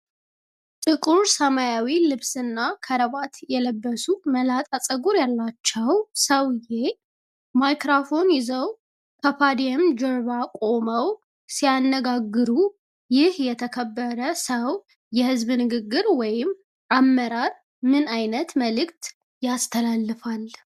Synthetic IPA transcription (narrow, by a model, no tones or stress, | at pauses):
t̪ʼɨkʼuɾsəmajawilɨβsɨnːakʰəɾəβat̪jɛləbːəsuməlat̪ʼasʼəɡuɾjalːat͡ʃːɛwsəwje | majkɾafo̞njɪzəw | kʰəpʰad̪iɛmd͡ʒoɾβakʼo̞məw | sijanːəɡaɡːɨɾu | jɪhjɛt̪ʰəkʰəbːəɾəsəw | jɛhɨzβnɨɡɨɡːɨɾwɔjɪm | ʔamːəɾaɾ | mɨnajnət̪məlɨkt̪ | jast̪ʰəlalːɨfal